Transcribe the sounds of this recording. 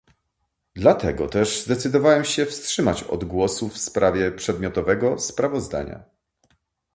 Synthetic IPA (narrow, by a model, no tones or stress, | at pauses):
d̪lat̪ʰɛɡɔ̰t̪ɛʐzd̪ɛt̪sɘd̪ɔvawɛmɕɛfstʂɘmat͡ɕɔ̰d̪ɡwɔsufspɾʔavʲjɛpʂɛd̪mʲɔt̪ɔvɛɡɔspɾavɔzd̪a̰ɲa̰